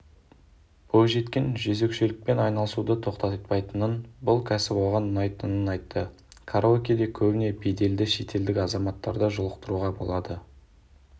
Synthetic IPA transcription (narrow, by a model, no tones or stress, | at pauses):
b̥olˠʒe̞t̪kʲe̞nʒɵze̞kʃelɪk̚pe̞nɑjnɑlˠəsud̪ət̪ʰo̞qt̪ɑt̪t̪pɑjt̪ənənbʊlˠkʲʰæsɪpwoʁɑnːɑjt̪ənənɑjt̪ːə | kʰaɾokʲijd̪e̞kʲʰɵbɪne̞bejd̪e̞ld̪ɪʃe̞t̪ʰe̞ld̪ɪkɑzɑmɑt̪ːɑɾd̪əʒʊlˠəqt̪əɾuʁɑbo̞̰lˠɑd̪ə